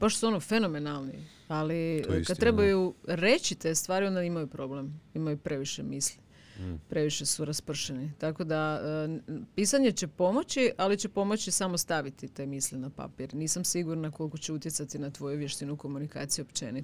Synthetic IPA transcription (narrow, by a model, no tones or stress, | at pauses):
paʃt̪o̥suonofe̞no̞me̞nalˠnḭ | alḭkad̪̚t̪ɾe̞bajuɾe̞t͡ɕit̪e̞st̪ʋaːɾio̞nd̪aimajupɾo̞ːble̞mimajupɾe̞ʋiʃe̞misli | pɾe̞ʋiʃe̞suɾaspr̩ʃenit̪ako̞d̪aəpiːsaɲe̞t͡ɕe̞po̞mo̞t͡ɕialit͡ɕe̞po̞mo̞t͡ɕisamost̪aʋit̪it̪e̞miːslinapa̰piɾniːsamsiɡuɾnako̞lko̞t͡ɕe̞ut̪jesat̪inat̪ʋo̞juʋjeʃt̪inuko̞munika̰ːt̪sijuopt͡ɕḛni